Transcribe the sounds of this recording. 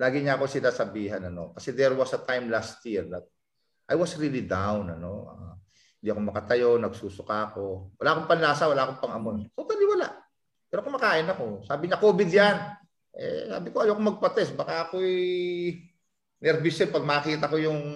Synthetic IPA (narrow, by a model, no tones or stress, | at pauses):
laːɡɪɲaːkosɪlasɐbiːɦɐnɐno̞̰kɐsɛd̪ɛɾwasɐt̪ajmlast̪jiɹnɐ | ʔajwɐsɹiːlid̪awnɐno̞ʔa̰ | hɪnd̪iːɐko̞mɐkɐt̪ɐjo̞nɐɡsuːsʊkako̞wɐlaːʔɐkoŋpɐnlaːsɐwɐlaʔɐkoŋpɐŋɐmonsot̪ɐlɪwɐlaʔ | pɛːɾoʔɐkomɐkaːʔɪnɐko̞saːbɪɲɐkoːbɪd̪jan | ʔɛ̰sa̰ːbɪkoɐjokomɐɡ̚pɐt̪ɛsbɐkaʔɐko̞ɛ | nɛɾbɪsɛlpɐɡ̚maːkiːt̪ɐko̞jʊŋ